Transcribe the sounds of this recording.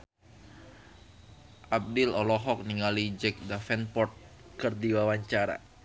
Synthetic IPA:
ʔab̚dɪlɔlɔɦɔk̚niŋalid͡ʒɛk̚dafɛnpɔrt̪̚ | kɨrdiwawaɲt͡ʃaɾa̰

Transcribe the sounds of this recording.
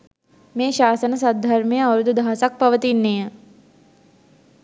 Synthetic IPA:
mẽːʃaːsənəsɐd̪ʱːɐɾmijəɐwɾud̪ud̪ʱaːsɐk̚pɐʋət̪inːeːə

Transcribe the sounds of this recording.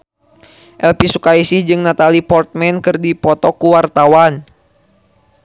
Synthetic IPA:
ʔɛlpisukaisɪhd͡ʒɨŋnat̪alipɔrt̪̚mɛnkɨrdipɔt̪ɔkuwart̪awan

